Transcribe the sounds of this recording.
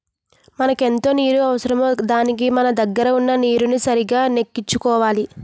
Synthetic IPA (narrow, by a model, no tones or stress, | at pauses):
mɐnɐke̞nt̪o̞ːniːɾuɐʋɐsɐɾɐmod̪aːnik̬imɐnɐd̪ɐɡːɐɾɐunːɐniːɾunisɐɾiɡaːne̞kːit͡ʃːukɔːʋaːli